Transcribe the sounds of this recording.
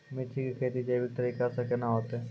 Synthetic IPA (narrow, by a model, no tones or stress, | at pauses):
mɪt͡ʃʰikikʰeːt̪id͡ʒebʱit̪ɐɾiːkasɐkenaɦoːt̪ɛ